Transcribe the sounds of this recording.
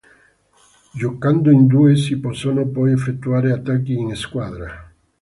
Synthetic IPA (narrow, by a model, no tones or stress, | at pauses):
ʒokand̪oend̪uesiposonopojefek̚t̪uaɾeat̪akieŋeskwaðɾa